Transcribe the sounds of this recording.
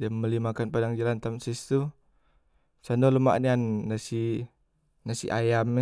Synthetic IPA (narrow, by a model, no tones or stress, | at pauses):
diaməlimakanpadaŋd͡ʒalant̪amsist̪u | sandoləma̰ʔnianːasi | nasḭʔajam